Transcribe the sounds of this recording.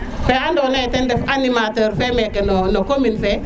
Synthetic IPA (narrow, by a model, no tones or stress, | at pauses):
feandonajtɛndɛfanimatəɾfemɛkɛnonokominfɛ